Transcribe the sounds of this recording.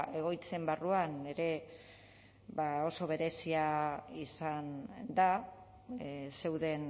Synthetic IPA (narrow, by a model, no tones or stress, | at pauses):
e̞ɣ̞o̞jt͡se̞mbaruane̞ɾe̞ | βao̞so̞β̞e̞ɾe̞siaisand̪a | se̞wðe̞n